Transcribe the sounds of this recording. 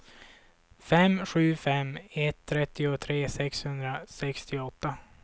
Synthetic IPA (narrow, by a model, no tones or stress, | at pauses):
fɛmːɧʉ̟ːfɛmːɛt̪ʰːɾɛt̪ːɪʊt̪ʰɾeːsɛkshɵnd̪ɾasɛkst̪ʰɪɔt̪ːa